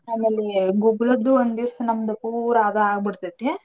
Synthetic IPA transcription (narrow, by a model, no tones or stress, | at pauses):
aːmeːleɡuɡɭɐd̪ːuond̪isɐnɐmɐd̪ɐpuːɾaːd̪ɐaːɡ̚biɽt̪ɐt̪ːe